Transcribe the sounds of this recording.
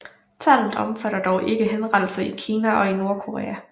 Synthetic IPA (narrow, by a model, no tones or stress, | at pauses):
t͡sʰæl̰n̩ɒ̽mfæɾ̥ɐd̥ɒʊʔe̝ɡ̥əɦenʁɑd̥l̩sɐikʰiːnæʔɒ̽ino̝ɐkʰo̝ʁḛːæ